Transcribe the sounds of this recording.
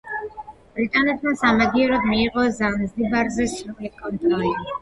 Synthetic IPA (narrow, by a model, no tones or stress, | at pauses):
b̥ɾit̪ʼanɛt̪ʰmasamaɡiɔɾɔd̪miːqʼɔzanzd̪ibaɾzɛsɾulikʼɔnt̪ʼɾɔli